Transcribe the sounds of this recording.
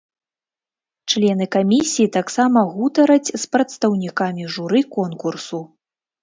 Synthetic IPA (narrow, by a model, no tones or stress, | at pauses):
t͡ʂlʲɛnɨkamʲisʲijit̪aksamɐɣut̪ɐɾɐt͡sʲspɾɐt̪st̪ɐwnʲikamʲiʐuɾɨkɔnkursu